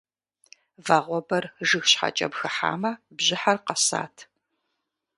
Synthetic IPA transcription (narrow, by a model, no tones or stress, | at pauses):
vaːʁʷɔbɐrʒɨxɕħa̰t͡ʃʼɐ̰bxɨħa̰ːmɐbʑɪħarqɐsa̰ːtʰ